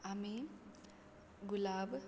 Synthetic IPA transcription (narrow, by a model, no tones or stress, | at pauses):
ami | ɡulab